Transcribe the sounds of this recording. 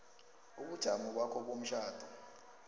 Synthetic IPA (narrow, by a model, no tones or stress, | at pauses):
uɓud̥ʒ̥ʱamɔk̬wakʰɔɓom̩ʃaːd̥ʱu